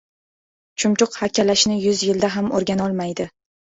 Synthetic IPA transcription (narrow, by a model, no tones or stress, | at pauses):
t͡ʃʰʊmt͡ʃʊqhakʲʰːalaʃnɪjʊzjɪld̪aɦamoɾɡʲanɒlˠmajd̪ɪ